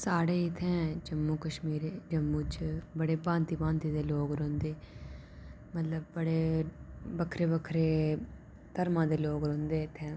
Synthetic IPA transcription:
saːɽeːɪt̪ʰɛ̃ːd͡ʒəmːuːkəʃmiːɾeːd͡ʒəmːũːt͡ʃbəɽeːbãːnt̪iːbãːnt̪iːd̪eːloːɡɾõːnd̪eː | mət̪ləb̚ːəɽeː | bəkʰɾeːbəkʰɾeː | t̪əɾmãːd̪eːloːɡɾõːnd̪eːɪt̪ʰːɛ̃ː

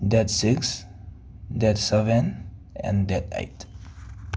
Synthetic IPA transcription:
d̪ɛt̪sɪks | d̪ɛt̪sɛvən | ɛ̰̃nd̪ɛt̪ḛɪt̪

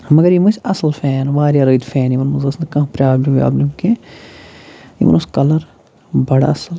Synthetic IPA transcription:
mɐɡɐɾimɐsɐsɐlfɛːnʋaːɾijaɾɐːd̪fɛːnimɐnmɐzɐsnkɐ̃ɦpɾʲaːblimja̰ːblimkẽ | ḭmɐ̰nmɐskɐlɐɾ | bɐɽa̰ɐsɐl

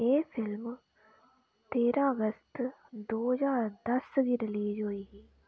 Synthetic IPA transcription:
eːfʰɪlm | t̪eːɾãːəɡəst̪d̪oːd͡ʒaːɾd̪ɐsɡiːɾɪliːd͡ʒɦoiːɦiː

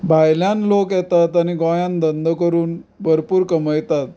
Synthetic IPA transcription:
bʱajljanlokjɛt̪at̪aniɡɔ̃jãnd̪ənd̪ʱəkəɾuːnbʱəɾpuːɾkəməjt̪at̪

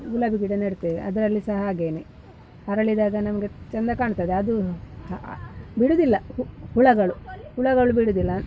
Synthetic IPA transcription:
ulɐbiɡiɽɐnɐɽt̪ːeiʔɐd̪ɐɾɐlːisɐɦɐːɡeːni | ɐɾɐɭid̪aːɡɐnɐmɐɡet͡ʃɐnd̪ɐkaːɳt̪ɐd̪eɐd̪u | biɽud̪ilːɐhuɭɐɡɐɭuhuɭɐɡɐɭubiɽud̪ilːɐ

